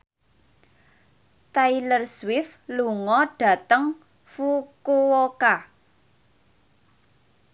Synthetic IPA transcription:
t̪ailərswɪfluŋɔɖ̥ä̤t̪əŋ | fukuwoka

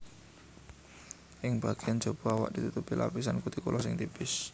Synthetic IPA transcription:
ʔɪŋb̥aɡ̥eand͡ʒob̥ɔ̤awa̰ʔd̥it̪ut̪upilʔa̰pisankut̪ikulʔɔsɪŋt̪ibɪs

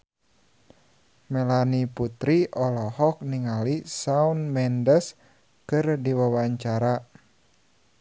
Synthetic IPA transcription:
mɛlaniput̪ɾiʔɔlɔhɔk̚niŋalisaunmɛndəs | kɨrdiwawaɲt͡ʃaɾa

